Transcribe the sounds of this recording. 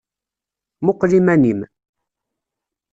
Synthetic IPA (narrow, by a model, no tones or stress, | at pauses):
mʊqːlimænim